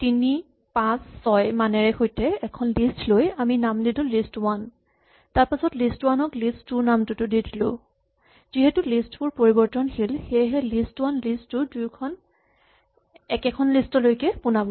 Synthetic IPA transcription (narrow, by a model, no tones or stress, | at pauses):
tini | pãsːɔjmanɛɹɛxojtɛɛkʰɔnlistlojaminamdidʊlistwan | taɹpasɔtlistwanɔklistːuɹnamtʊtʊdidilʊ̰ | ziɦɛtʊlistbʊɹpoɹibɔɹtɔnxilxejɦɛlistwanlistːʊdujkʰɔn | ɛkɛkʰɔnlistɔlojkɛpunabɔ